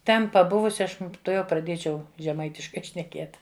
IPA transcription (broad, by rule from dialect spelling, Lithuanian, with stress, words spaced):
ˈtʲɛn pɐˈbʊʋʊsʲɪ ˈɐʃ tʊˈjɛʊ prɐˈdʲiɛt͡ʃʲɛʊ ʒʲɛˈmɐɪtʲɪʃkɐɪ ʃʲnʲɛˈkʲiɛt